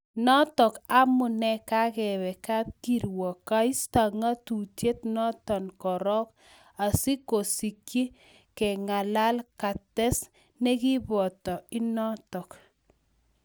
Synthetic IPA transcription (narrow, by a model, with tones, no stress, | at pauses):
nɔ˦tɔ˨ka˦mʊ˨nɛ˦ka˦kɛ˨βɛ˨ka˦p̚ki˨ɾwɔ˨ka˦i˦sta˨ŋa˦tu˨te˦tnɔ˦tɔ˨nkɔ˨ɾɔ˦k | a˨si˦ko˨si˨kji˦ | kɛ˨ŋa˨la˦lka˨tɛ˦s | nɛ˦ki˦bɔ˨tɔ˨i˦nɔ˦tɔ˨k